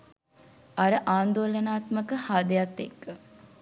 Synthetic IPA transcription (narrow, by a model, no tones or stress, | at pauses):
aɾəʔaːnd̪oːlənaːt̪məkəhaːd̪əjat̪ːekː